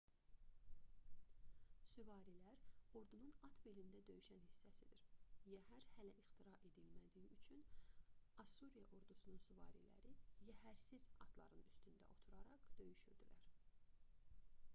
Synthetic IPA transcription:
syvɑːɾilæɾo̞ɾd̪ununɑt̪ʰbelind̪æd̪ø̞jyʃænhisːæsid̪iɾjæhæɾhælæʔixt̪ʰiɾɑʔe̞d̪ilmæd̪ijiʔyt͡ʃʰyn | ɑsuɾijɑʔo̞ɾd̪usununsyvɑ̰ːɾḭlæ̰ɾijæhæɾsiz̥ɑ̰d̪̥lˠɑ̰ɾɯnyst̪ynd̪æ̰ʔo̞t̪ʰuɾɑɾɑqd̪̥ø̞jyʃød̪yɾæɾ

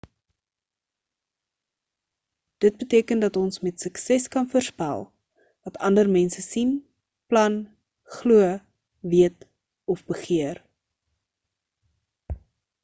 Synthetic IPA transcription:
d̥ət̚bətiəkəndɐtɔnsmɛtsəksɛskɐnfərspæ̰lˠ | vɐtʰɐndərmɛnsəsin | plɐn | χluə | viət | ɔfbəχiər

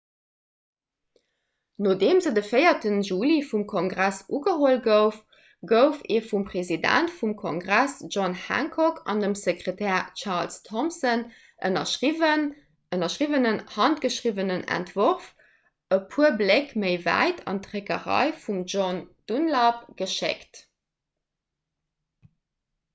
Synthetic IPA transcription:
noːdeːmzədəfəɪɐtənʒuːlifumkʰoŋɡʁæsʔuɡəɦoəlɡəʊf | ɡəʊfeːfumpʁezidæ̰ntfumkʰoŋɡʁæsʒɔnhæ̰ŋkʰɔkʰɑ̰ndəmsekʀetʰɛːʁt͡ʃɑʁlstʰɔmsən | ʔənɐivən | ənɐʃʁivənənhɑnt̚ɡ̥əʃʁivənənæ̰ntv̥oʁf | əpʰuəblekməɪvæ̰ɪtʰɑ̰ntʁekəʁɑ̰ɪfumʒond̥unlɑpɡ̥əʃḛkt

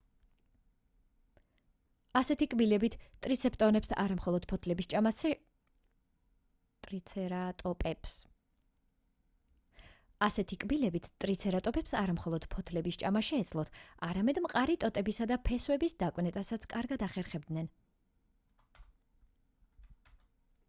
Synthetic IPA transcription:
asɛt̪ʰikʼbilɛbit̪ʰt̪ʼɾit̪sʰɛpʼt̪ʼɔnɛpsʔa̰ɾamχɔlˠɔd̪̥̚pʰɔt̪ʰlɛbi | t̪ʼɾiɾat̪ʼɔpʼɛps | asɛt̪ʰikʼbilɛbit̪ʰt̪ʼɾit̪sʰɛɾat̪ʼɔpɛpsaɾamχɔlˠɔd̪̥pʰɔt̪ʰlɛbist͡ʃʼamaʃɛːd̪sʰlˠɔt̪ʰaɾamɛd̪mqʼaɾit̪ʼɔt̪ʼɛbisad̪apʰɛswɛbisd̪akʼwnɛt̪ʼasat̪sʰkʼaɾɡad̪aχɛɾχɛb̚d̪nɛn

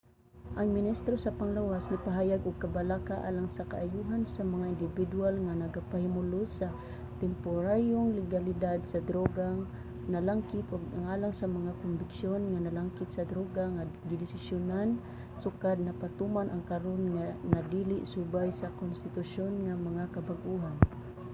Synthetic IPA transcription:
ʔaŋmɪnist̪ɾosapaŋlawasnɪpaɦaːjaɡʔʊɡ̚kabalakaʔa̰laŋsaka̰ʔajuɦansamaŋaɪnd̪ɪbɪd̪ualŋanaɡapahɪmʊlʊsa | t̪ɛmpʊɾajoŋlɪɡalɪd̪ad̪sad̪ɾoɡaŋ | nalaŋkɪt̪ʔʊɡaŋalaŋsamaŋakʊnbɪksjonŋanalaŋkɪt̪̚sad̪ɾoɡaŋaɡɪdɪsɪsjʊnan | sʊkad̪̚napat̪umanʔaŋkaɾonŋanad̪ilɪʔsubajsakʊnst̪ɪt̪ʊʃonŋamaŋakabaɡʔuɦan

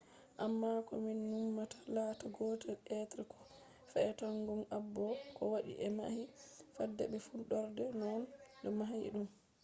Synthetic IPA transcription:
ʔamːakɔminːumːatḁlaːtaɡɔːtɛlɛtɾɛkʰɔ̥ | fɛɛtaŋɡɔnabːɔkɔwaɗḭʔɛma̰hifadːɛ̰ɓɛfuɗɔɾdɛnɔndɔmaɦajḭɗum

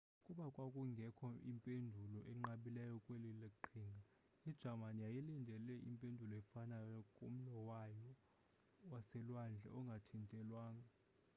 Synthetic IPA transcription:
kʼuɓakʼwakʼuŋɡʱɛkʰɔʔimpʼendʱulɔʔɛŋ͡ǃaɓilɛjɔkʼwelileǃʰiːŋɡʱa | id̥ʒ̥ʱamanijajilindʱɛlɛʔḭmpʼendʱulɔɛfanajɔkʼom̩lɔwajɔ | wasɛlwand͡ɮʱɛ̰ɔŋɡʱatʰintʼɛlwaːŋa

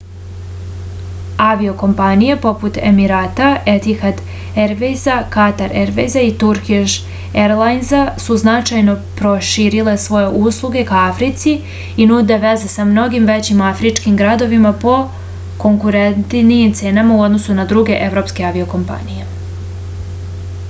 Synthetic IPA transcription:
aʋio̞ko̞mpanijepo̞put̪e̞miɾaːt̪aʔet̪ixad̪ | eɾʋejzakat̪aɾeɾʋḛjzait̪uɾkiʃ | eɾlˠajnzasuznat͡ʃajno̞pɾo̞ʃiɾile̞sʋo̞jeʔuslˠuɡe̞kaafɾit̪si | inud̪e̞ʋe̞zesamno̞ɡimʋe̞t͡ɕimafɾit͡ʃkimɡɾad̪o̞ʋimapo̞ | ko̞ŋkuɾent̪nijimt̪se̞ːnamauo̞d̪no̞sunad̪ɾuɡe̞ʔe̞vɾo̞pskeaʋio̞ko̞mpa̰nije̞

